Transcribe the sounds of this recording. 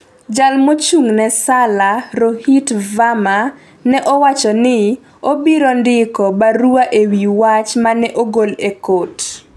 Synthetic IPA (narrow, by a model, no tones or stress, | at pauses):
d͡ʒalmot͡ʃuŋnɛsalaɾohitvama | nɛʔɔwat͡ʃɔnɪ | obiɾondɪkɔbaɾuaʔewiwat͡ʃmanɛʔoɡolekot